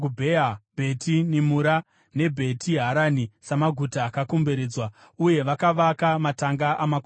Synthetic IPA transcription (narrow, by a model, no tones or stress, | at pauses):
ubʱeabʱe̞tʰinimuɾa | ne̞bʱe̞tʰiɦaɾanisamaɡʱutaːkakombe̞ɾe̞ːd͡zwa | uje̞ʋakaʋakamataŋɡaʔamako